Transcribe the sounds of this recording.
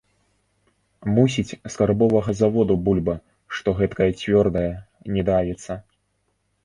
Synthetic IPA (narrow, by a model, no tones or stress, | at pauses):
musʲit͡sʲskarbɔvɐɣɐzavɔd̪ubulʲbɐ | ʂt̪ɔɣɛt̪kɐjɐt͡sʲvʲɔrd̪ɐjɐ | nʲɛd̪avʲɛt̪sːɐ